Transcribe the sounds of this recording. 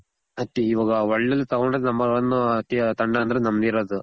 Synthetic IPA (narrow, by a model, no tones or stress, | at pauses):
ɐt̪ːiiʋaːɡɐʋɐɭːɐlːit̪ɐɡɔɳɖɾnɐmːɐɐnːuɐt̪ːit̪ɐɳɖɐɐnd̪ɐɾenɐmd̪iɾoːd̪u